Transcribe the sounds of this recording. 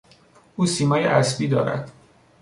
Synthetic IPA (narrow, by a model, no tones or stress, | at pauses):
ʔuːsiːmɒːjḛʔæsbiːd̪ɒ̰ːɾæ̰d̪̥